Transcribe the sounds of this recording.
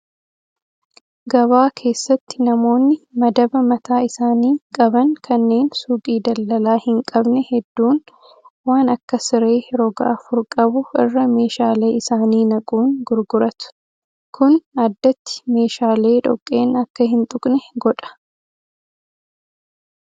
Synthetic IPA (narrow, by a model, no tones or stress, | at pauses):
ɡɐβaːkʰe̞ːsːɐt̪ːɪ̥nɐmo̞ːnːɪmɐd̪ɐbɐmɐt̪aːɪsaːniːkʼɐbɐŋkʰɐnːe̞ːnsuːkʼiːd̪ɐlːɐlaːhɪŋkʼɐbnɛhɛd̪ːuːn | waːnɐkːɐsɪɾe̞ːɾɔɡa̰ʔɐfʊɾkʼɐbʊɪrːɐme̞ːʃaːle̞ːɪsaːniːnɐkʼuːnɡʊɾɡʊɾɐt̪ʊ̥ | kʰʊnɐd̪ːɐt̪ːɪ̥me̞ːʃaːle̞ːᶑɔ̰kʼːe̞ːnɐkːɐhɪnt̪ʼʊkʼnɛɡɔᶑɐ̥